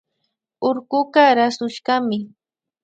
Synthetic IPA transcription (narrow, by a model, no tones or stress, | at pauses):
oɾkʊɢaɾasʊʃɢamɪ